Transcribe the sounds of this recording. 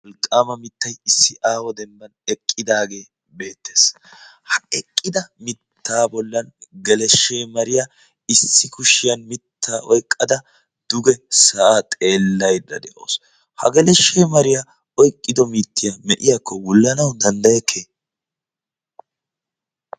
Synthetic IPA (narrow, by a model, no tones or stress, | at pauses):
ɔlkʼːaːmɐmɪt̪ːɐjɪsːɪʔaːwɔd̪ɛmbɐnɛkʼːɪd̪aːɡe̞ː | be̞ːt̪ːe̞̥ːs | hɐɛkʼːɪd̪ɐmɪt̪ʰːaːbɔlːɐnɡɛlɛʃːe̞ːmɐɾɪja | ɪsːɪkʊʃɪjɐnmɪt̪ʰːaːʔɔjkʼːɐd̪ɐ | d̪̥ʊɡɛsɐʔat̪ʼe̞ːlːɐjd̪ɐ̰d̪ɛʔo̰ːs | hɐ̰ɡɛlɛʃːeːmɐɾɪja | ɔjkʼːɪd̪ɔmiːt̪ːɪjɐmɛʔɪjakʰːɔwʊlːɐnɐwd̪ɐnd̪ɐjɛkʰːeː